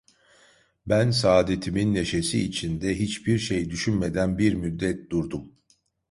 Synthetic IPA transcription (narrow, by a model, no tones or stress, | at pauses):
bænsaːd̪et̪ʰiminːe̞ʃe̞siːt͡ʃʰind̪ɛɦit͡ʃbiɾʃe̞jd̪yʃynme̞d̪ænbiɾmyd̪ːɛt̪̚d̪̥uɾd̪um